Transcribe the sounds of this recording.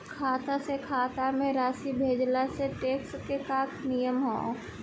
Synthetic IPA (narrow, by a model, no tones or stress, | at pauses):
kʰaːt̪asekʰaːt̪amẽɾaːsibʱeːd͡ʒlaseʈeːkskekaːkʰnijəmɦõ̰ː